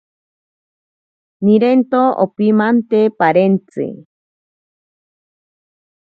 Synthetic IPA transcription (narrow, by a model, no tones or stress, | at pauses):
niɾent̪oo̰pimant̪epaɾent͡sɨ̰